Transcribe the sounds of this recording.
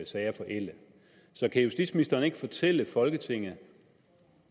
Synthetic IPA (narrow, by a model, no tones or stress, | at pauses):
sɛɪɐfɒ̽ʔel̰ə | sɒ̽kʰæhusd̥id̥sminisd̥ɐːne̝ɡ̥əfɒ̽t͡sʰel̰əfɒ̽lɡ̥ət͡sʰe̝ŋ̰ð̩ˠ